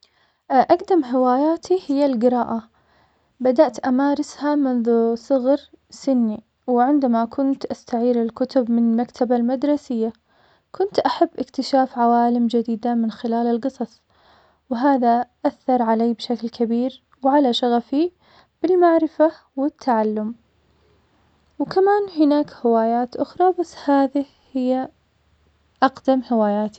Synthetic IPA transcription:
ʔaɡd̪amɦɪwaːjaːt̪ʰihɪjːalɡɪɾˤɑːʔa | bad̪aʔt̪ʔamaːɾɪshamʊnðusˤʊɣɾ | sɪnːi | wʕɪnd̪amakʰʊnt̪ʔast̪aʕiːɾɪlkʊt̪ʊbmɪnɪlmakt̪ʰabalmad̪ɾˤɑsɪjːa | kʰʊnt̪ʔaħabːʔɪkt̪ɪʃaːfʕawaːlɪmd͡ʒad̪iːd̪amɪnxɪlaːlɪlɡɨsˤɑsˤ | wɦaːðaʔaθːɑɾˤʕalaːbʃaklkʰabiːɾ | wʕalaʃaɣafi | b̥ɪlmaʕɾɪfa | wɪt̪ʰːaʕalːʊm | wkamaːnhɪnaːkhɪwaːjaːt̪ʔʊxɾˤɑbasːhaːðɪ | hɪjːa | ʔɑqd̪amhɪwaːjaːt̪i̥

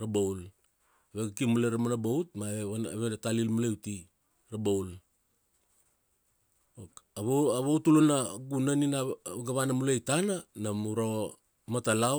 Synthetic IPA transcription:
ɾabowl | aβeɡakimuleɾamanabowtmaβeβaa̰βeɾatalilmulewti | ɾabowl | okaβoaβowtulonaɡunaninaɡaβanamulejtananamuɾo | matala

